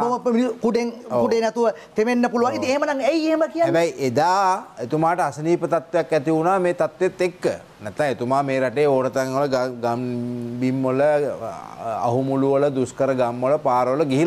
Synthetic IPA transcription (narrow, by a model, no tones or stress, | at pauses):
pomiikuɖeŋokuɖenɛt̪uʋə | t̪emenːəpuluʋaŋit̪ieɦemənaŋejeɦeməkijanebɛjʔed̪aːet̪umaːʈəasəniːpət̪at̪ʋejakːɛt̪iunaːmeːt̪at̪ʋet̪ːekːə̰ | nɛt̪ːaŋet̪umaːmeːɾaʈeːoːɽət̪aŋələɡaɡambimːolə | a̰ɦumuluʋələd̪uskəɾəɡamːoləpaːɾəʋələɡiɦil